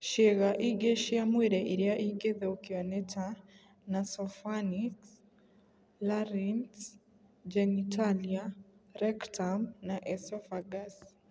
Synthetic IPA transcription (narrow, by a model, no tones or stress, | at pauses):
ʃeɣaʔiɡeʃiamweɾɛʔiɾiaʔiɡeðɛokiɔnɛtʰa | nasɔfaniks | laɾins | d͡ʒɛnitʰaliaɾɛktamnaʔɛsɔfaɡas